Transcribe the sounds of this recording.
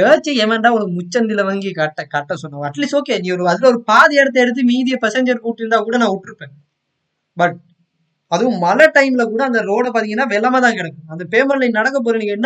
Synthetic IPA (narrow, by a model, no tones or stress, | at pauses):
eːt͡ʃːɐɛmɛnɖaːɔnɐkɯmʊt͡ʃːɐnd̪ɪlɐʋɐŋɡikɐʈːɐkɐʈːɐsɔnːãɐʈliːsoːkeːnĩːɔɾɯɐðɪlɐɔɾɯpaːðɐɛːɽɐt̪̬ːɐɛɽɯt̪̬ːɯmiːðɪjɐpɐsɛɲd͡ʒɐɾkɯʊʈːɪnd̪aːkuːɽɐnãːɔʈːɯɾɯpːẽː | bɐʈ̚ | ɐðɯʋʊ̃mɐlɐʈɐɪmɪlɐkuːɽɐːnd̪ɐɾoːɽɐpaːɾt̪̬ɪŋɡɐnːaːʋɛlːɐmaːt̪ãːkɪɽɛkːʊ̃ɐnd̪ɐpeːmɐllɐɪnɐɽɐkːɐp̬oːɾinĩːŋɡɛnː